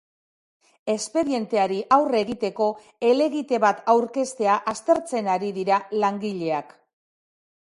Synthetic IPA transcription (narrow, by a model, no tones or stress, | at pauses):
e̞spe̞ɾie̞nt̪e̞aɾiʔawre̞ɣit̪e̞ko̞ | e̞le̞ɣit̪e̞βat̪awɾke̞st̪e̞aʔast̪e̞ɾt͡se̞naɾiðiɾalaŋɡiʎe̞ak